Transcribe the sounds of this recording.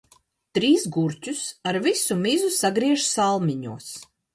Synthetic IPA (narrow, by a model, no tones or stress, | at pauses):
t̪ɾiːsɡuɾcʲusaɾvisumizusaɡɾiɛʒsalˠmʲiɲṵɔs